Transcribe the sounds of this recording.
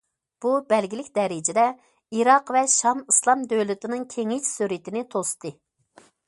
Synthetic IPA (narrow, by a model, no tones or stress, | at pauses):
b̥ubɛlɡʲilɪkʲd̪ɛɾɪd͡ʒɪd̪ɛ | iɾɑqvɛʃɑmislˠɑmd̪ølyt̪ɪnɨŋkʲʰeŋit͡ʃsyɾit̪ɪnɪt̪ʰost̪ʰɨ